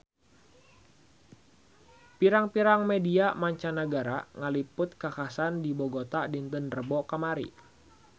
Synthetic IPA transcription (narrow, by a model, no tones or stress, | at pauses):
piɾaŋpiɾaŋmediamaɲt͡ʃanaɡaɾaŋəlipʊt̪̚kakasandiboɡot̪adint̪ənrəbɔkamaɾḭ